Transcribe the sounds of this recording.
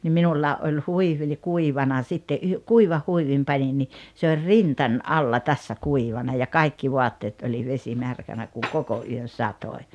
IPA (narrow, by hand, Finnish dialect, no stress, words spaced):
nim minulːɑː ʔolʲ huiʋi ŏlʲi kuiʋɑnɑ sitːe ʔyh kuiʋɑh huiʋim pɑnin ni se or rintɑnʲ ʔɑlːɑ tæsːæ kuiʋɑnɑ jɑ kɑikːi ʋoɑtːeːt olʲi ʋesimærkænæ kuŋ koko ʔyøn̞ sɑtoi̞